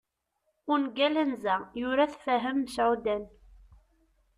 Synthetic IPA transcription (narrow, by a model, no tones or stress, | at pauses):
ʊnɡælænzæjʊɾaθfæɦəmːəsʕud̪æn